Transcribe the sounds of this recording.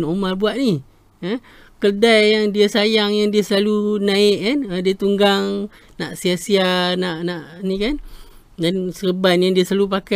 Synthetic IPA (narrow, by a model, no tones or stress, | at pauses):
nomarbuaʔ̪̚ni | ə | kərdajːaŋdiasajaŋjaŋdiasəlalunaɪʔkanədiət̪uŋɡaŋ | naʔsiasianaʔnaʔnikan | dansərəbanjaŋdiəsəlalupaka